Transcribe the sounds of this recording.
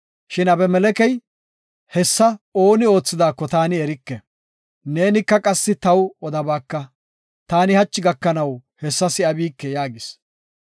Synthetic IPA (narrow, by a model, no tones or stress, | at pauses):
ʃɪnɐbɛmɛlɛkɛj | hɛsːɐo̞ːnɪo̞ːt͡sːɪd̪aːkːɔt̪aːnɪɛɾɪkːɛ | ne̞ːnɪkːɐkʼɐsːɪt̪ɐwɔd̪ɐbaːkːɐ | t̪aːnɪhɐt͡ʃːɪɡɐkːɐnɐwhɛsːɐsɪɐbiːkːɛjaːɡɪs